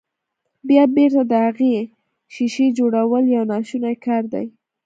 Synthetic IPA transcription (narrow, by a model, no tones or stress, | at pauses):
bjɑbeɾt̪ad̪əhaɣe | ʃiʃed͡ʒoɽawəljɑwnɑʃunajkɑɾd̪a̰j